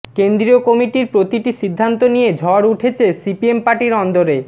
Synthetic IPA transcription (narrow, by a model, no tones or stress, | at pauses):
kend̪ɾiokɔmiʈiɾpɾot̪iʈiʃid̪ʱːant̪onijed͡ʑʱɔɾuʈʰet͡ɕʰesipiempaʈiɾɔnd̪oɾe